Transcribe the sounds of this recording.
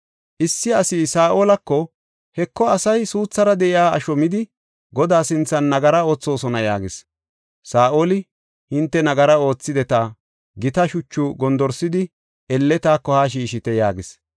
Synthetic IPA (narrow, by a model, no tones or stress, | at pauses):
ʔɪsːɪɐsiːsaːʔoːlɐkːɔ | hɛkːɔɐsɐjsuːt͡sːɐɾɐd̪ɛʔɪjaːɐʃɔmɪd̪ɪ | ɡɔd̪aːsɪnt͡sːɐnːɐɡɐɾɐo̞ːt͡sːo̞ːsɔnɐja̰ːɡɪs | saːʔoːlɪ | hɪnt̪ːɛnɐɡɐɾɐo̞ːt͡sːɪd̪ɛt̪a | ɡɪt̪ɐʃʊt͡ʃːʊɡɔnd̪ɔɾsɪd̪ɪ | ɛlːɛt̪aːkːɔhaːʃ̬iːʃɪt̪ɛjaːɡɪs